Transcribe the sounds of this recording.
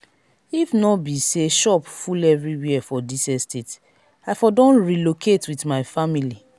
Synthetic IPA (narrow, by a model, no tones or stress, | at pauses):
ifnɔbiseʃɔpfulɛvɹiwiɛfɔdisɛstet | afɔdɔ̃nɹilokʰetwitmaɪfamili